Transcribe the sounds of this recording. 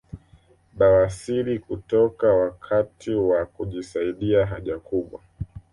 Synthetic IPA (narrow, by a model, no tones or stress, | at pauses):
ɓawasiɾikutɔkawakʰatʰiwakuʄisaiɗiaɦaʄakuɓwa̰